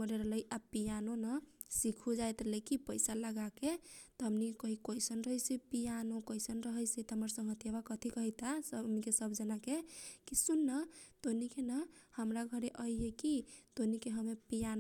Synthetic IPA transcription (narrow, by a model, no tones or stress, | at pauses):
məɾeɾələjʔapijanonəsikʰud͡ʒajt̪ɾləjkipəɪsaləɡaket̪ɔɦəmnikekəɦikəjsənɾəɦəjsipijanokəɪsənɾəɦəjsɛt̪ɦəməɾsə̃ŋɦət̪jebakət̪ʰikəɦɛjt̪asənikesəbʱd͡ʒənakekisunːət̪onikenəhəmɾaɡʱəɾeʔəjɦekit̪onikeɦəmepijan